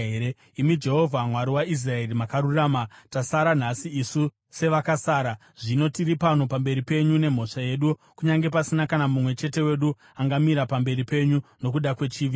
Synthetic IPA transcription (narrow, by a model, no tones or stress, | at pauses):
eɾe | imid͡ʒe̞ɦo̞vʱamwaɾiwais̬rae̞rimakaɾuraːmatasaɾan̤asiːsu | se̞ʋakasaːɾa | ʐ̥ino̞tiripano̞pambe̞ɾipe̞ɲune̞m̤o̞ʂaje̞ɗukuɲaŋɡe̞pasinakanamumwe̞t͡ʃe̞te̞we̞ɗu | aŋɡamiɾapambe̞ɾipe̞ɲuno̞kuɗakwe̞t͡ʃiːʋi